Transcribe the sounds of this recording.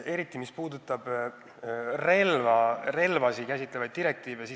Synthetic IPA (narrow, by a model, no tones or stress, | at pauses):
e̞ɾit̪ːˑimispuːd̪ut̪ːˑɑb̥ | re̞lvɑre̞lvɑsikæsit̪ːˑlevɑjd̪̚d̪iɾe̞k̚t̪iːvesi